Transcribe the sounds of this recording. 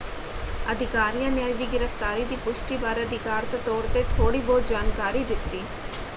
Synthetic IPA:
ɐd̪ʱɪkaːɾijanjaːjd̪iːɡɪɾəft̪aːɾid̪iːpʊʃʈibaːɾeɐd̪ʱɪkaːɾt̪ɐt̪oːɽt̪et̪ʰoːɽibɔːd̪d͡ʒaːnkaːɾid̪ɪt̪ːiː

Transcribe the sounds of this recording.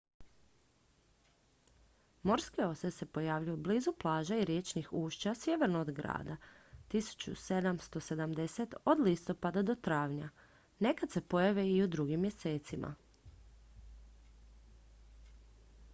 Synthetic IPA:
mo̞ɾskeo̞sese̞po̞jaːʋʎujublizuplˠaːʒaiɾjet͡ʃnixuːʃt͡ɕasjeʋɾnoːd̪ɡɾa̰ːd̪at̪isu̥t͡ɕṵse̞d̪amst̪o̞se̞d̪amd̪e̞set̪o̞d̪list̪o̞pad̪ad̪o̞t̪ɾaːʋɲa | ne̞kad̪se̞po̞jaʋeiud̪ɾuɡimːje̞se̞ːt̪simʔa̰

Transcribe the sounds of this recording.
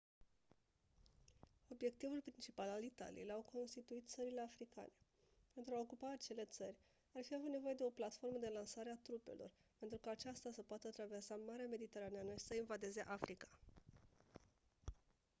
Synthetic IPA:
o̞bje̞k̚t̪ivulpɾint͡ʃipalalit̪a̰lḭjejlawkʰo̞nst̪it̪uit̪̚t̪səɾile̞afɾika̰ne̞ | pe̞nt̪ɾuaokupaːt͡ʃe̞le̞t̪sərʲ | arfiavut̪ne̞vo̞je̞d̪e̞o̞plat̪fo̞rməd̪e̞lansaɾeat̪ɾupḛlʔo̞̰rpent̪ɾukəːt͡ʃast̪asəpoat̪ət̪ɾave̞rsamaɾeame̞d̪it̪e̞ɾanianəʃi̥səinvad̪e̞ze̞ʔafɾikḁ

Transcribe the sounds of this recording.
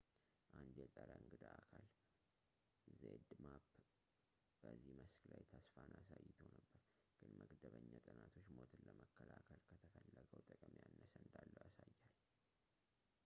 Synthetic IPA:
ʔand̪jɛsʼəɾaɨŋɡɨd̪aakʰal | zed̪mab | b̥əzːihməsklajt̪ʰəsfanʔasajːɪt̪ʰəwnəbːəɾ | ɡ̥ɨnməɡd̪əβəɲːat̪ʼɨnat̪ʰo̞t͡ʃːmo̞t̪ɨləməkːəlakʰəlkʰət̪ʰəfʰəlːəkʼəwt̪ʼəkʼəmjanːəsəɨnd̪alːəwasajːal

